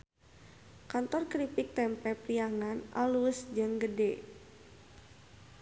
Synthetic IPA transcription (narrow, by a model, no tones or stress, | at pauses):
kant̪ɔrkɾipik̚t̪ɛmpɛpɾiaŋanʔa̰lusd͡ʒəŋɡədɛ